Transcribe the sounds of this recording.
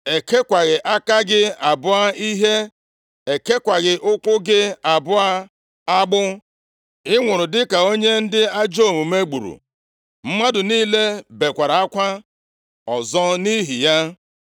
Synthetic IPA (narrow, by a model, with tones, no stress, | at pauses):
e˨ke˦kʷa˨ɣɪ˨ʔa˦ka˦ɡɪ˦a˨bʊ˦a˦i˦ɦe˦ | e˨ke˦kʷa˨ɣɪ˨ʔʊ˦kʷʊ˦ɡɪ˦a˨bʊ˦a˦ | a˦ɡ͡bʊ˦ | ɪ˦ŋʷʊ˨ɾʊ˨dɪ˦ka˨o˦ɲe˦n̩˦dɪ˦a˦d͡ʒo˦˨mu˨me˦ɡ͡bṵ˨ɾṵ˨ | m̩˦ma˦dʊ˨niː˦le˦be˨kʷa˨ɾa˨a˦kʷa˦ | ɔ˨zɔ˦ni˦ɦḭ˨ja˦